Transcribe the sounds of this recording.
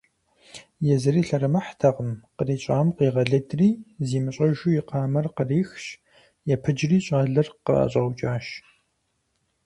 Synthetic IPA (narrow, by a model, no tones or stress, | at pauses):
jɛzɨɾiːɬɐɾɨmɐħtʰɐʁəmqəriːɕʼaːmqiːʁɐɮɐdriːziːmɨɕʼɐʒuːjɪqɑːmɐrqəriːxɕ | jɛpʰɨd͡ʒriːɕʼaːɮɐrqə̰a̰ɕʼɐwt͡ʃʼaːʃ